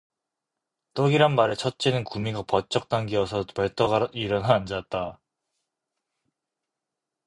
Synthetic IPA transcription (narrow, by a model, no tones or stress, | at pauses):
t͈ʌɡiɾanmaɾɯt͡ɕʰʌt̚t͡ɕ͈enɯnkumiɡapʌt͡ɕ͈ʌk̚t͈aŋɡiʌsʰʌpʌɭt͈ʰʌɡaiɾʌnɦaːnd͡ʑat̚t͈a